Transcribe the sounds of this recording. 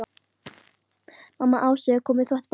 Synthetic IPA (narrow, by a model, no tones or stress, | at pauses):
mamːaʔawsɛkʰɔːmɪθvɛht̪p